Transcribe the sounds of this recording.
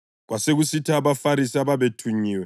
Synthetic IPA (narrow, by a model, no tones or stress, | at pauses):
ɣwʔaseɣusitʰaːβafaɾisiaβaβetʰuɲiːwɛ